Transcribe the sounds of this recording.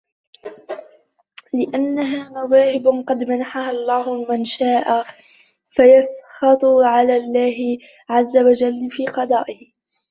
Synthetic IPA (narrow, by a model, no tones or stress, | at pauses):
lɪʔanːaɦaːmawaːhɪbqɑd̪manaħahalˤːɑːhʊmanʃaːʔa | fajasxɑt̪ˤʊʕalaːlːaːɦɪ | ʕazːawad͡ʒalːfiːqɑd̪ˤɑːʔɪh